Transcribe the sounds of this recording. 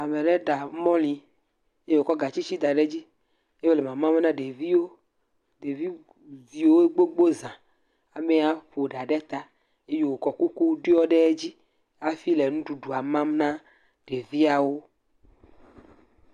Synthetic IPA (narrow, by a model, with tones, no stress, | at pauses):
a˨mẽ˨ɖe˦ɖa˨˦mɔ̃˦lĩ˨ | e˦jo˨kɔ˦ɡa˨t͡ɕi˦t͡ɕi˦d̪a˨ɖe˦d͡ʑi˦ | e˦o˦le˨mã˨mã˦me˦nã˦ɖe˨vi˦wo˦ | ɖe˨vi˦ | vi˨wo˦e˦ɡ͡bo˦ɡ͡bo˦zã˨ | a˨me˦a˦ɸo˨ɖa˨ɖɛ˦t̪a˦ | e˦jo˨wo˨kɔ˨ku˦ku˦ɖe˦ɔ˦ɖe˦d͡ʑi˦ | a˦fi˦le˨nũ˦ɖu˨ɖu˨a˨mã˦mnã˦ | ɖ̥e˨vi˦a˨wo˦